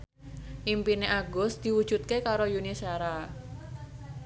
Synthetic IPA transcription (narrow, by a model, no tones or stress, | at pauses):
ʔimpineʔaɡʊsd̪̥i̤wud̥ʒ̥ut̪̚kekaɾojunisaɾa